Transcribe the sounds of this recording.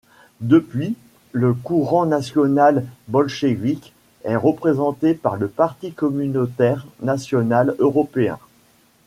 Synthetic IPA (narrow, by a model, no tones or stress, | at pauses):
d̪əpɥi | ləkuʁɑ̃nasjɔnalbɔlʃevik | ɛʁəpχezɑ̃t̪epaʁləpaʁt̪ikɔmynot̪ɛʁnasjɔnaløʁɔpeɛ̰̃